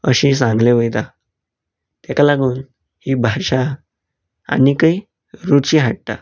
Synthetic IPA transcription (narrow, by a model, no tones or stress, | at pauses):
əɕiːsãŋɡleʋəjt̪a | t̪ɛkalaɡuːn | hiːbʱaɕa | a̰nikai | ɾut͡ɕiɦaʈ̚t̪a̰